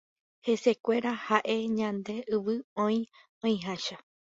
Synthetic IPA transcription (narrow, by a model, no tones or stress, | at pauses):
he̞se̞kʷe̞ɾahaʔe̞ɲãnd̪e̞ɨʋɨõj̃ | õĩɦãʃa